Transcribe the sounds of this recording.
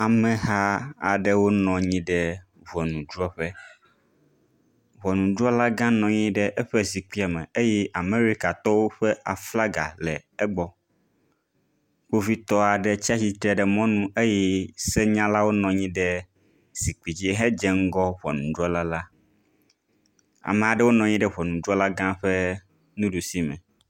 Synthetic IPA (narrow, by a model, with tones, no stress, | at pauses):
a˨mɛ̃˨ɦa˦a̰˨ɖɛ˦wo˦nɔ̃˨ɲĩ˦ɖɛ˦ | vɔ˨nũ˨du˦ɔ˦ɸɛ˦ | βɔ˨nũ˨du˦ɔ˦la˦ɡã˦nɔ̃˨ɲĩ˦ɖɛ˦ʔɛ˦ɸɛ˦si˨k͡pi˦a˨mɛ̃˨e˦jɛ˦ʔa˨me˦ɾi˦ka˨t̪ɔ˦wo˦ɸɛ˦ʔa˨fla˦ɡa̰˨lɛ˨ɛ˦ɡ͡bɔ˦ | k͡po˦vi˦t̪ɔ˦a˨ɖɛ˦t͡ɕi˦a˦ɕi˨t̪ɾɛ˨ɖɛ˨mɔ̃˦nũ˦e˦jɛ˦se˦ɲã˦la˦wo˦nɔ̃˨ɲĩ˦ɖɛ˦ | si˨k͡pi˨d͡ʑi˦e˦ɦɛ̃˦d͡ʒɛ˦ŋ̩˦ɡɔ˦βɔ̰˨nũ˨ɖɔ˦la˦la˦ | a̰˨mɛ˨a˨ɖɛ˦wo˦nɔ̃˨ɲĩ˦ɖɛ˦βɔ˨nũ˨dɔ˦la˦ɡã˦ɸɛ˦ | nũ˦ɖu˨si˦mɛ̰̃˨